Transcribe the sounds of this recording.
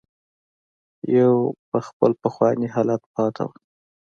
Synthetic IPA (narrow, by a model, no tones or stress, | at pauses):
jawpəxpəlpəxwɑniɦɑlat̪̚pɑt̪ʰa̰wə